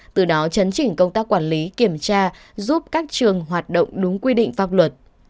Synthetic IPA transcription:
t̪ɨ˨˩ɗɔ˨˦t͡ɕə˨˦nt͡ɕï˧˩ŋ̟kə˧wŋ͡mt̪aː˦˥kːwaː˧˩nli˨˦ki˧˩əmt͡ɕaː˧ | zu˦˥p̚kaː˦˥k̚t͡ɕɨ˨˩əŋɦwaː˨˩t̚ɗo̰˧˨wŋ͡mɗʊ˨˦ŋ͡mkwi˧ɗḭ˧˨ŋ̟faː˦˥p̚lwə˨˩t̚

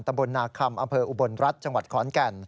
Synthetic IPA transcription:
nt̪a˧mbo˧nːaː˧kʰa˧mʔa˧mpʰɤː˧ʔu˨˩bo˧nɾa˦˥t̪̚t͡ɕa˧ŋwa˨˩t̪̚kʰɔː˩˦nkɛ˧n

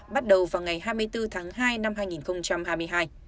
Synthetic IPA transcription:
ɓa˦˥t̚ɗə˨˩wvaː˨˩wŋa˨˩jhaː˧jmɨ˧əjt̪ɨ˧t̪ʰaː˨˦ŋɦaː˧jna˧mhɦaː˧jŋi˨˩nxə˧wŋ͡mt͡ɕa˧mhaː˧jmɨ˧əjɦaː˧j

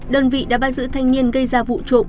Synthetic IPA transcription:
ɗəː˧nvḭ˧˨ɗa̰ː˧˥ɓaː˧˩zɨ̰˧˥t̪ʰa˧jŋ̟ni˧ənɣə˧jzaː˧vṵ˧˨t͡ɕo̰˧˨ŋ͡m

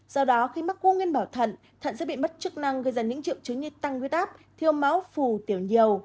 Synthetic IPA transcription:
zɔ˧wɗɔ˨˦xi˧ma˦˥k̚ku˧ŋwi˧ənɓaː˧˩wt̪ʰə̰˧˨n | t̪ʰə̰˧˨nsəː˦˥ɓḭ˧˨ɓə˦˥t̚t͡ɕɨ˦˥k̚na˧ŋɣɨ˧˩jzaː˧˩nɲɨ̰˧˥ŋt͡ɕḭ˧˨əwt͡ɕɨ˨˦ŋɲɨ˧t̪a˧ŋwi˧˥t̚ʔaː˦˥p̚t̪ʰi˧əwma˨˦wfu˧˩t̪i˧˩əwɲi˨˩əw

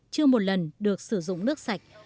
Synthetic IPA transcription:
t͡ɕɨ˧əmo˨˩t̚lə˨˩nɗɨ˨˩ək̚sɨ˧˩zʊ̰˧˨ŋ͡mnɨ˦˥ək̚sa˨˩jk̟̚

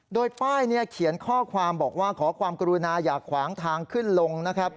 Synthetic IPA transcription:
doː˧jpaː˥˩jni˥˩ɐkʰi˨˩˦ənkʰɔː˥˩kʰwaː˧mbɔː˨˩k̚waː˥˩kʰɔː˩˦kʰwaː˧mka˧ɾu˧naː˧jaː˨˩kʰːwaː˩˦ŋt̪ʰaː˧ŋkʰɯ˥˩nlo˧ŋna˦˥kʰɾa˦˥p̚

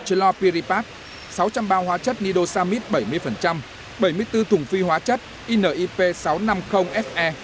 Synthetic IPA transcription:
t͡ɕə˧˦lɔ˧pi˧ɾi˧paː˦˥t̚ | sa˨˦wt͡ɕa˧mɓaː˧ɦwaː˨˦t͡ɕə˦˥t̚ni˧ɗo˧saː˧mi˦˥t̚ɓə˧˩jmɨ˧əjfə˨˩nt͡ɕa˧m | ɓə˧˩jmɨ˧əjt̪ɨ˧t̪ʰʊ˨˩ŋ͡mfi˧hɦwaː˨˦t͡ɕə˦˥t̚ | ʔi˧nəː˨˩ʔi˧pe˧sa˨˦wna˧mxə˧wŋ͡mʔɛ˦˥f̚ʔɛ˧

